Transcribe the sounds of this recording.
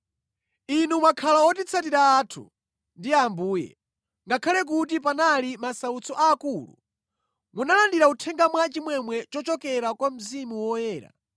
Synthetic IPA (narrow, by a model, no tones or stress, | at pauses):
inumakʰalaɔt̬it͡sʰat̬iɾaːtʰṵ | ndiambuːjɛ̰ | ŋɡakʰalɛk̬ut̬ipanalimasaut͡sʰɔʔaːkulṵ | munalandiɾautʰɛŋɡamwat͡ʃimwɛmwɛt͡ʃɔt͡ʃɔkɛɾakwam̩zimuwɔjɛːɾa̰